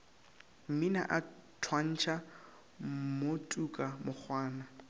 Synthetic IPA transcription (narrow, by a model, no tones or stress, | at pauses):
m̩mina̰ʔatʰwan̩t͡ʃʰa | motʼukʼamʊk͡xʰwaːna